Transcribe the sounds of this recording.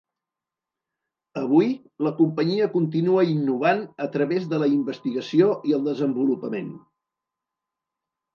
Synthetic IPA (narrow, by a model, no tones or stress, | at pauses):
əβ̞uj | ləkumpəɲiəkunt̪̬inuəinːuβ̞anət̪ɾəβezðələimbəst̪iɣəsioʔiəlˠd̪əzəmbulupəmen